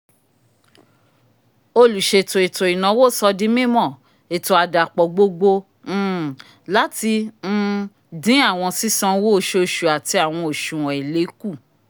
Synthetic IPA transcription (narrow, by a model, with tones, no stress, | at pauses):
o˧lu˨ʃe˧˨to˨e˨to˨i˨nã˨˦wo˦˨˦sɔ˧dĩ˦mĩ˦mɔ̃˦˨ | e˨to˨a˨da˨k͡pɔ˨ɡ͡bo˧ɡ͡bõ˧˦˨ | la˦ti˧n̩˦˧ | dĩ˨˦a˦˨w̃ɔ̃˧si˦sã˧wo˦˨ʃo˧ʃu˨a˨ti˧a˨w̃ɔ̃˧o˨ʃũ˨w̃ɔ̃˨i˨le˨˦ku˦˨